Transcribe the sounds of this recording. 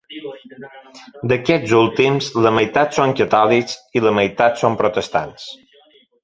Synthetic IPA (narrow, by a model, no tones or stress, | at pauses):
d̪əkɛzulˠt̪imzləməjt̪at̪soŋkət̪ɔliksiləməjt̪at̪sompɾot̪əst̪a̰ns